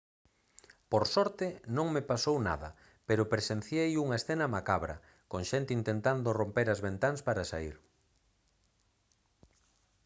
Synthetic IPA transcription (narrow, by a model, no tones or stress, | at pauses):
poɾsɔɾt̪ɪnõŋmepasowna̰ðɐ̰ | peɾopɾesen̟θjejuŋɐesθenɐmakaβɾɐ̰ | koŋʃent̪ɪint̪ent̪and̪orompeɾazβent̪aŋspaɾasaiɾ